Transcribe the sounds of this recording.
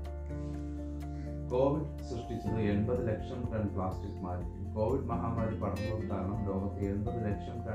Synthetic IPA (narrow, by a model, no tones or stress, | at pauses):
ko̞ːʋiɖ | srɨʂʈit͡ɕːunːue̞nbɐðɨle̞kʂɐmkɐɳɖpɭaːsʈikːmaːɾ | koːʋiɖmɐɦaːmɐːɽipɐɽɐnːɐðut̪aːɳɐmloːɣɐt̪ːɨeunbɐðɨle̞kʂɐmkɐ